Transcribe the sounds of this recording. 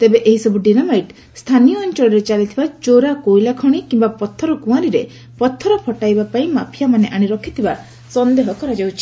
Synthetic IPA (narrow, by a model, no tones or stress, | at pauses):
t̪ebeʔeɦisɔbuɖinamajʈ | st̪ʰanijɔːnt͡ʃɔɭɔɾet͡ʃalit̪ʰibat͡ʃoɾakojlakʰɔɽ̃ikimbapɔt̪ʰːɔɾɔkũaɾiɾe | pɔt̪ʰːɔɾɔpʰɔʈajbapaĩmapʰijamaneʔaɽ̃iɾɔkʰit̪ʰiba | sɔnd̪eɦɔkɔɾad͡ʒawt͡ʃʰi̥